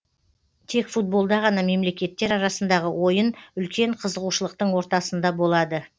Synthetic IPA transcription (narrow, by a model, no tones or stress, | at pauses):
t̪ʰe̞kfut̪̚bo̞lˠd̪ɑʁɑnɑme̞mle̞kʲe̞t̪ːe̞ɾɑɾɑsənd̪ɑʁəwʔo̞jənʏlkʲe̞ɴqʰəzəʁuʃəlˠəq̚t̪əɴwo̞ɾt̪ɑsənd̪ɑbo̞lˠɑd̪ə